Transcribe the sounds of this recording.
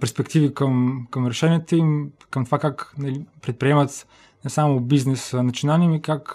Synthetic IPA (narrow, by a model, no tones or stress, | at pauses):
pɛɾspɛkt̪ivikəmkəmɾɛʃɛniɛt̪əimkəmt̪ovakaknɐlipɾɛt̪̚pɾiɛmɐt̪ | nɛsamʊbiznɛsnɐt̪sijonalnimikak